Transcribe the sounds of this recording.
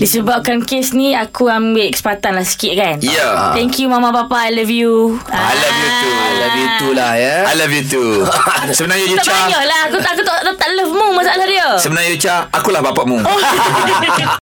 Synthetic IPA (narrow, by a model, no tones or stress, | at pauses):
disəbap̚kankesnĩakuambɪlkə̥sə̥pat̪anlahsi̥kɪt̪̚kanjət̪ɛŋkjumãmãpapaajlafjuaajlafjut̪uajlajut̪ulahjaajləfjut̪usəbənaɲaut̪aʔt͡ʃbajɔhlaɦakuaʔakut̪aʔt̪aʔt̪aʔləfmũmasaalahdiəssəbənajut͡ʃaakulahbapaʔmũo